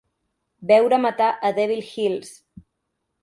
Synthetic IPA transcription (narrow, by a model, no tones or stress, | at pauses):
bɛwɾəmət̪aʔəðɛβilxilˠs